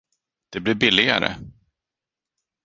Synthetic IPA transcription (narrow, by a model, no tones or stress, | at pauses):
d̪̥ɛblɪɾbɪlːɪɡa̰ɾə̰